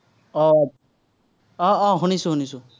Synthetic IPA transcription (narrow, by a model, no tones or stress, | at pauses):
ɔ | ɔ̃ɔ̃ɦunisuɦunisu